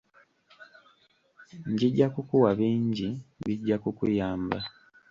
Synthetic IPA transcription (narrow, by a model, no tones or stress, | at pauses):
ɲɟiɟːakukuwaβiːɲɟiβiɟːakukujaːmba